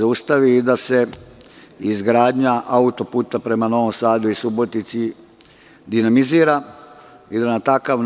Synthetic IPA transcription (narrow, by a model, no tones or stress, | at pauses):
aust̪aʋiːd̪ase̞ | izɡɾaːd̪ɲaʔaut̪o̞puːt̪apɾe̞mano̞ʋomsaːd̪uisubo̞t̪nit̪si | d̪inamiziːɾa | id̪anat̪akaʋn